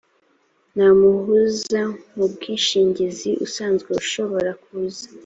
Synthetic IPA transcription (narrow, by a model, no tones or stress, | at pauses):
namuhuzamub̚ɡiːnʃiːɲɟiziʔṵsaːnzɡwe̞uʃo̞βo̞ɾakuzḁ